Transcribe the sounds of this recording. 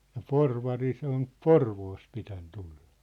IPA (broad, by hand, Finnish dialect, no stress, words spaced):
jɑ porʋɑri se on porʋoːst pitæn tull̥ɑ̥